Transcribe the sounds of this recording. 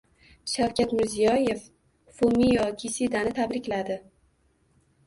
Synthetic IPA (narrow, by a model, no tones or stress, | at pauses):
ʃawkʲʰat̪mɪɾzijɒje̞f | fomijɒkʲʰisid̪anɪt̪ʰabɾɪkʲlad̪ɪ